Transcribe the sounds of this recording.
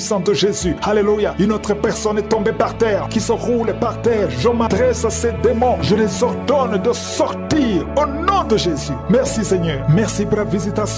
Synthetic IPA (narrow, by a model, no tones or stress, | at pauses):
isɑ̃d̪əʒezyhalelujaynot̪χəpɛʁsɔnɛt̪ɔ̃bepaʁt̪ɛʁkisəʁulpaʁt̪ɛːʁʒəmad̪ʁɛsased̪emɔ̃ʒəlezɔʁd̪ɔnd̪əsɔʁt̪iʁonɔ̃d̪əʒezymɛʁsisɛɲœːʁmɛʁsipuʁlavizit̪asj̃